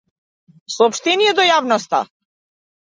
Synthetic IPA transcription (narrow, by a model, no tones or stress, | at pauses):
sɔːpʃt̪ɛnijɛd̪ɔjavnɔst̪a̰